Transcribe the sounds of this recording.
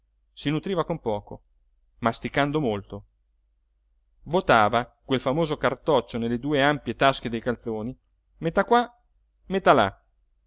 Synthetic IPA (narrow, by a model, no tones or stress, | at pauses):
sinut̪ɾiːvakompɔːko | mast̪ikand̪omolt̪o | vot̪aːvakwelfamoːzokart̪ɔt͡ʃːonelːed̪uːeampjet̪ask̟ed̪ejkalsoːni | met̪ːakwa | met̪ːala̰